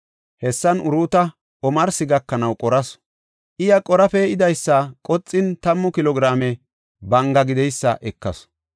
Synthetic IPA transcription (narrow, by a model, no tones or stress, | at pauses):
hɛsːɐnʊɾuːt̪ɐ | ɔmɐɾsɪɡɐkːɐnɐwkʼɔɾɐs | ʔɪjɐkʼɔɾɐfɛɪd̪ɐjsːɐkʼɔt͡sʼːɪnt̪ɐmːɔkɪlɔɡɾaːmɛ | bɐŋɡɐɡɪd̪ɛjsːɐ̰ʔɛkːɐ̰s